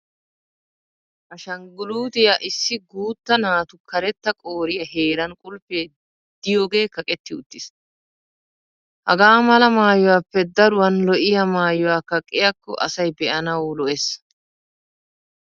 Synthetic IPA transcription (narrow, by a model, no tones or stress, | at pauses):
ʔɐʃɐŋɡʊluːd̪ɪjɐʔɪsːɪɡuːt̪ːɐnaːt̪ʊkʰɐɾɛt̪ːɐkʼoːɾɪjɐɦe̞ːɾɐnkʼʊlpːeː | d̪̥ɪjo̞ːɡe̞ːkɐkʼɛt̪ːɪʊ̰t̪ːɪs | hɐɡaːmɐlɐmaːjɔwaːpːɛd̪ɐɾʊwɐnlɔʔɪjɐmaːjɔwaːkɐkʼːɪjɐkːɔ̰ʔɐ̰sɐjbɛʔɐnɐwlɔʔɛs